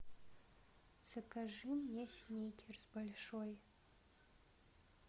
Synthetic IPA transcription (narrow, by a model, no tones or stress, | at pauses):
sɨkɐʐɨmjɛsʲnʲejtʲʰɛrzbɐlʲʂoj